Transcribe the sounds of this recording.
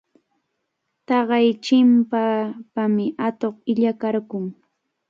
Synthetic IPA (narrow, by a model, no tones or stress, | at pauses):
t̪ɑɢɑjt͡ʃɪmpapamɪat̪oχɪʎakaɾkʊŋ